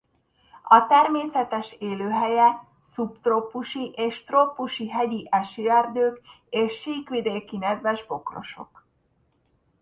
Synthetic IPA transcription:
ɒt̪ɛrmeːsɛt̪ɛʃeːløːɦɛjɛ | supt̪ropuʃiʔeːʃt̪ropːuʃiɦɛɟiʔɛʃyɛrd̪øːk | eːʃːiːkʋid̪eːkinɛd̪vɛʒbo̞kro̞̰ʃo̞̰k

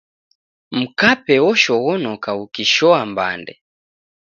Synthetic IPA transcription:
m̩kapɛwɔʃɔɣɔnɔkaukiʃɔamba̰ndɛ̰

